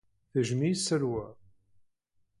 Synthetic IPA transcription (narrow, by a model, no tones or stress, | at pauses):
θəʒmisːəɾwæ